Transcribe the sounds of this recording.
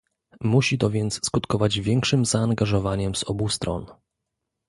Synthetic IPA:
muɕit̪ɔvʲjɛnt̪sskut̪kɔvad͡ʑvʲjɛŋkʂɘmzaːŋɡaʐɔvaɲɛmz̥ɔbust̪ɾɔ̰n

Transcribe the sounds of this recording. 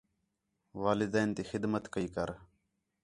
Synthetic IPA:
ʋaːlɪd̪ɛːnt̪iːxɪd̪mət̪kəiːkəɾ

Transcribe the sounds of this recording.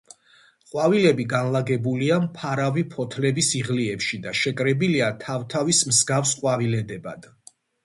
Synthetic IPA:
qʼwavilɛbiɡanlaɡɛbuliampʰaɾavipʰɔt̪ʰlɛbisiʁliɛpʃid̪aʃɛkʼɾɛbiliat̪ʰavt̪ʰavismzɡafsqʼwavilɛd̪ɛba̰d̪̥

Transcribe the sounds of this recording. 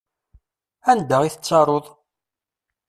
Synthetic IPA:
ænd̪əʁiθət͡sˤːɑɾˤoðˤ

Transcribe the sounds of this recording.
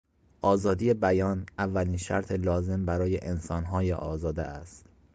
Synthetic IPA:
ʔɒːzɒːd̪ije̞bæjɒːnævːæliːnʃæ̰ɾt̪ʰelɒːze̞mbæɾɒːjeʔensɒːnɦɒːjḛʔɒːzɒːd̪ḛʔæst̪

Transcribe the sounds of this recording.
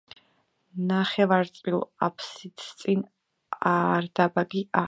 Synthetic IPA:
naχɛvaɾt̪t͡sʼvila̰pʰsit̪ʰt̪sʼin | aɾd̪abaɡia

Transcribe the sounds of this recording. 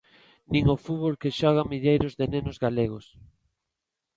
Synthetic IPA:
nĩŋofuβolkeʃɔɣamiʎejɾʊzðenenozɣaleɣos

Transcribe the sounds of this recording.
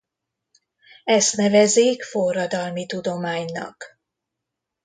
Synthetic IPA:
ɛst̪nɛvɛzeːkfo̞rːɒd̪ɒlmit̪ud̪o̞maːɲnɒ̰k

